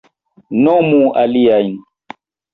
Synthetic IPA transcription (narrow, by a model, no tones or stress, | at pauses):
nɔmuʔalijain